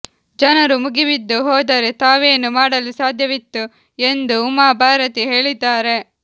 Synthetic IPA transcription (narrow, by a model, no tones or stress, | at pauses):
d͡ʒɐnɐɾumuɡiʋid̪ːuɦɔːd̪ɐɾet̪aːʋeːnumaːɽɐlusaːd̪ʱjɐʋit̪ːu | e̞nd̪uːmaːbʱaːɾɐt̪iɦe̞ːɭid̪ːaːɾe̞